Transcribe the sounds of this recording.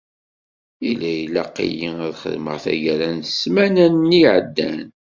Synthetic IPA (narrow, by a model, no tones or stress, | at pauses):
ilæjlæqḭjiæðχə̰ðmə̰ʁθæ̰jæɾænsmænænːiʕəd̪ːæn